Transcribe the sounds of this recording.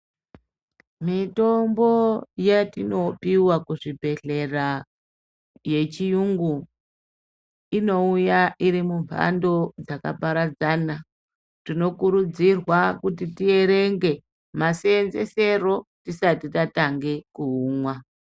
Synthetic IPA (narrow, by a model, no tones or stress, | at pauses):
mito̞mbo̞jatino̞piwakuʐibʱe̞ɮe̞ra | je̞t͡ʃijuŋɡu | ino̞ujaʔiɾimuɱva̰ndo̞d͡zaka̰paɾad͡zaːna | tino̞kuɾud͡zirwakutitie̞ɾe̞ŋɡe̞ | masenze̞̰se̞ro̞tisatitataŋɡe̞kuuːmwa